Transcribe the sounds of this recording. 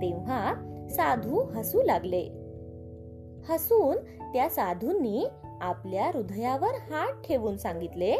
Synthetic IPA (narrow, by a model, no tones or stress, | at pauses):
t̪e̤asad̪ʱũɦəsũːlaɡle | həsuːn | t̪jasad̪ʱunːiː | apljaɾud̪ʱjaʋəɾhaʈʈʰeʋuːnsãŋɡit̪le